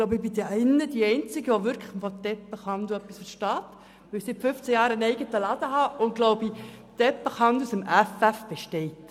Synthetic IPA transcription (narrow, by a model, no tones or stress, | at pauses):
ɡloʊbɪbid̪ɛɛnːəd̪iːɛɪnt͡sɪɡəʋɔʋʏɾkʰləfɔt̪ɛpːəχɑnd̪uœpːisfəɾʃtɑːt̪ | ʋɪlsɪtfʏft͡sæjɑːɾənɛɪɡətəlɑd̪əɦɑʊnɡ̥lɔʊbit̪ɛpːəχɑnd̪usəmæfæfb̥ɛʃtɛɪt